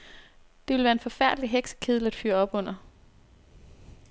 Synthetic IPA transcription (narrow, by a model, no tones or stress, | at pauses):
d̥eʋe̝lʋæːɐenfɒ̽fæɐ̰d̥liɦeɡ̥sə̥kʰeð̰ˠl̩æd̥fy̰ːɐɒ̽b̥ɔ̽n̰ɐ